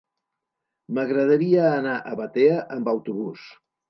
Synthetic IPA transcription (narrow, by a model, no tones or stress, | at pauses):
məɣɾəð̞əɾiəːnaʔəβət̪eəʔəmbəwt̪uβus